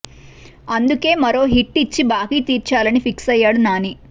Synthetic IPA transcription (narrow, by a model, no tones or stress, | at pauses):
ɐnd̪uke̞ːmɐɾo̞ːɦiʈːit͡ʃːibaːɡiːt̪iːɾt͡ʃaːlɐnipʰiksɐjːaːɽunaːni